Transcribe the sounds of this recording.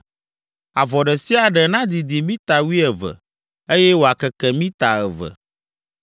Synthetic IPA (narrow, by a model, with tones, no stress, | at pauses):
a˨vɔ˨ɖɛ˨si˦a˨ɖɛ˨nã˦d̪i˨d̪i˨mĩ˦t̪a˨wi˦ɛ˨və̰˨ | e˦jɛ˦wo˨a˨kɛ˨kɛ˨mĩ˦t̪a˨ɛ˨və̰˨